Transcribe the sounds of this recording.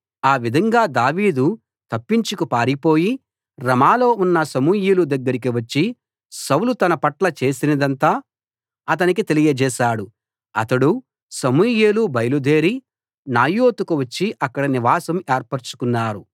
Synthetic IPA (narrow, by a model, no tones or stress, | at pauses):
aːʋid̪ʱɐŋɡaːd̪aːʋiːd̪u | t̪ɐpːiɲt͡ʃikupaːɾipo̞ːji | ɾɐmaːlo̞ːunːɐsɐmujeːlud̪ɐɡːɐɾik̬iʋɐt͡ʃːi | sɐwlut̪ɐnɐpɐʈlɐt͡ʃe̞ːsinɐd̪ɐnt̪aː | ɐt̪̬ɐnik̬it̪e̞lijɐd͡ʒɛːʃaːɽu | ɐt̪ɐɽu | sɐmujeːlubɐjɐlud̪e̞ːɾi | naːjoːt̪ukuʋɐt͡ʃːiʔɐkːɐɽɐniʋaːsɐmeːɾpɐɾt͡ʃu̥kunːaːɾu